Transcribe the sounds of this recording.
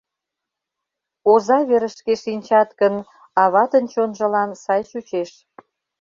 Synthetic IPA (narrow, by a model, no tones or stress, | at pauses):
ozɑβeɾə̆ʃkeʃinʲt͡ɕɑt̪kən | ɑβɑt̪ənt͡ɕonʒə̆lɑnsɑjʃut͡ɕeʃ